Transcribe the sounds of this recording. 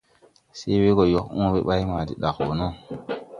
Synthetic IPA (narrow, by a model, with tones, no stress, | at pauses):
se˦we˦ɡo˨jɔ˨kũ˦be˦ɓa˦jma˨dḭ˨ɗa˨kwo˨nɔ˦